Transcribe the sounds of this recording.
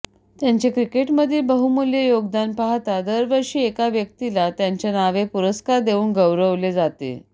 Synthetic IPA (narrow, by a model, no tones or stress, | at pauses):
t̪jaɲt͡ɕekɾikeʈməd̪ʱebəɦumuljejoɡd̪anpaɦt̪ad̪əɾʋəɾʂiːekaʋjək̚t̪ilat̪jaɲt͡ɕanaʋepuɾəskaɾd̪euːnɡəwɾəʋled͡zat̪ḛ